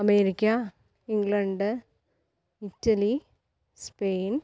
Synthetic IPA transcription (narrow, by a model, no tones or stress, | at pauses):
ɐmeːɾikʲːɐ | iŋɡɭɐɳɖ | itːɐli | speːn